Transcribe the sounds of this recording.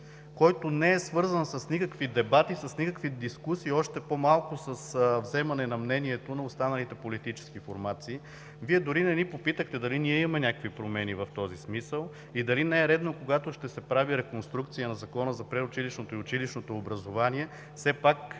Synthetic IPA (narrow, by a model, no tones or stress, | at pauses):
kɔjt̪onɛɛsvɤɾzənsəsnikəkvid̪ɛbat̪isɐsnikəkvid̪iskusiːɔʃt̪ɛpomalˠkʊsəsvzɛmɐnɛnɐmnɛniɛt̪onɐʊst̪anɐlit̪ɛpolit̪it͡ʃɛ̥sk̟ifoɾmat̪siː | viɛd̪ʊɾinɛnipopit̪əxt̪ɛd̪ɐliniɛimɐmɛnʲakəkvipɾomɛnivɐft̪ɔzismisəlˠ | id̪ɐlinɛɛɾɛd̪nokoɡat̪oʃt̪ɛsɛpɾaviɾɛkonst̪ɾukt̪sijənɐzɐkɔnəzɐpɾɛʊt͡ʃiliʃnot̪oiʊt͡ʃiliʃnot̪oːbɾɐzovaniɛ | fsɛpak